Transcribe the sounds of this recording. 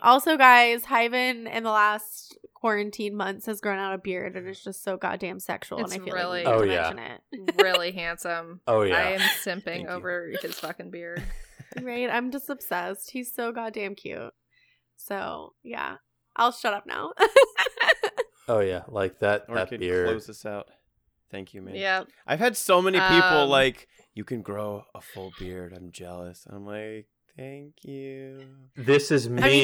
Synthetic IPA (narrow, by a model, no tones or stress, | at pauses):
ʔɔlˠsoʊɡaɪz̥haɪvɨ̃nɨ̰̃nðəlæskʰw̥ɔɹɨ̃ntʰĩnmʌ̃nθshɨzɡ̥ɹõʊ̃naʊɾʌvbɪɹɾɨ̃nɨtzd̥ʒ̥ʌstsoʊɡɑ̰t̚d̥æ̃msɛ̰kʃul̩ˠə̃naɪḭlˠɪlˠioʊjm̃æ̰ʃɨ̃nɪ̰t̚ɪlˠiɦæ̃nsə̃moʊjæaɪɨ̃msɪ̃mpɪ̃ŋoʊvə˞ɨfɨz̥fʌkɨ̃nbɪɹd̥ɹaɪt̚ã̰ɪ̃md͡ʒʌstəb̥sɛst̚hiz̥soʊɡɑt̚d̥æ̃mkʰj̥ʉ̰t̚ | soʊjæ̰ | ʔaɪlˠʃʌɾʌp̚na̰ʊ | oʊjælaɪk̚ðɨt̚ɨt̚b̥ɪɹdoʊzʌsaʊt̚ | θæ̃ŋkʰjɨmæ̃njæ | ʔaɪv̥ɨd̥soʊmɛnipipl̩ˠlaɪk | jɨkʰɨ̃nɡɹoʊəfʊlˠbɪɹɾãɪ̃md͡ʒɛlˠəsnã̰ɪ̃mlaɪk̚θæ̃ŋkʰjʉ | ðɪsɨzmi